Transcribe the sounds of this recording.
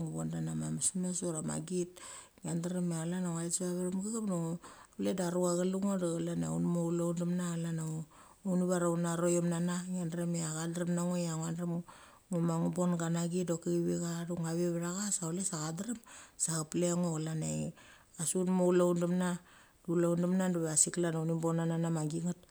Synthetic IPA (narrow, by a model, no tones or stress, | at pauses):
ŋubondanamamasmesoɾama̰ɡit | ŋiandaɾemealanaŋaesiβaβeɾamɡaɡamnoŋoledaɾuaɡaluŋodaɣalaneunmoulawndamnaalana | unuβaɾaunaɾojomnanaŋiandɾemeaɡadɾemnaŋojaŋandɾem | ŋumaŋubo̞nɡanaɡidokiɡiβiɡaɾuŋaβeβeɾaɡasaolesaɣadaɾamsaɡapleŋoɣalane | asunmoulaundamna | dulawndamnanduβasiklanawnimbonananamaɡiŋat